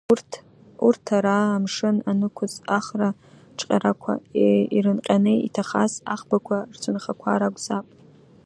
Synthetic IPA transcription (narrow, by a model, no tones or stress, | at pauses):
urtʰ | urtʰaɾaːmʂɨnanɨkʷʰʊzaχra | ʈ͡ʂʰʼqʲʼaɾakʷʰa̰eiɾɨnqʲʼanɨḭtʰaχa̰sa̰χbakʷʰart͡sʰʊnχakʷʰaɾaɡʷʼz̥apʼ